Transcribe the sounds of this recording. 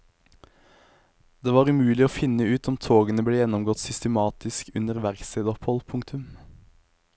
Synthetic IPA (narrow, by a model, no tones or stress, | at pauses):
d̪̥eːʋɑːʁʉmʉːlɪoːfɪnəʉːt̪ɔmt̪ʰoːɡənəbleːjɛnɔmɡɔt̪sʏst̪əmɑːt̪ɪskʉnəʁʋæʁksed̪ɔphɔlpʰʊŋt̪ʉm